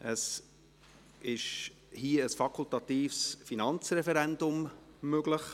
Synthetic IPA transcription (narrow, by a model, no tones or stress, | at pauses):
əs | ɪʃ | hiːəəsfɑkʰʊlt̪ɑt̪iːfsfinɑnt͡srɛfɛɾɛndʊmmøɡlɪχ